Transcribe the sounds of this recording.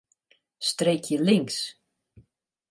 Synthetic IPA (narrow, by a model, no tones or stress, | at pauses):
st̪rejkʰjəlɪŋs